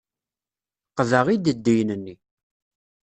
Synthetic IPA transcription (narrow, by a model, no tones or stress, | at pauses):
qðəʁid̪əd̪ːijnənːi